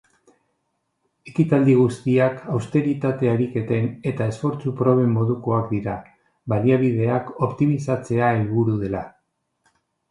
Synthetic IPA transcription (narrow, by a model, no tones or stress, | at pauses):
e̞kit̪ald̪iɣ̞ust̪iakawst̪e̞ɾit̪at̪e̞aɾike̞t̪e̞ne̞t̪ae̞sfo̞ɾt͡supɾo̞β̞e̞mːo̞ðuko̞akd̪iɾa | βaliaβið̞e̞ako̞pt̪imisat͡se̞aelβuɾuðe̞la